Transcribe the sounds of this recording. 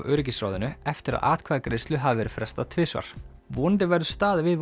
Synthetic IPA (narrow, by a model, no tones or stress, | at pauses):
vœːɾɪc̬isɾa̰ːwðɪnʏɛft̪ɪɾa̰ða̰ːt̪kʰvaːðakɾest̪lʏɦavvɛːɾʏ̥fɾɛst̪at̪ʰvɪːsva̰ɾ̥ | vɔːnt̪ɪvɛɾðʏst̪aːðvɪðv